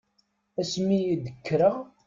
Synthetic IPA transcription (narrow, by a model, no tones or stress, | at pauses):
æsmijid̪əkːɾəʁ